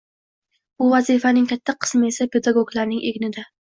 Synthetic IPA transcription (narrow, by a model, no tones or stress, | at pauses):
bʊvazifanɪŋkʲʰat̪ʰːaqʰɨ̥smesapʰe̞d̪aɡoɡlaɾnɪŋʔeɡʲnɪd̪a